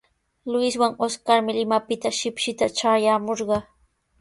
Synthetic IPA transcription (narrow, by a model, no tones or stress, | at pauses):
lʊɪswaŋoskaɾmɪlɪmapɪt̪aʃɪpʃɪt̪aʈ͡ʂajaːmoɾɢɑ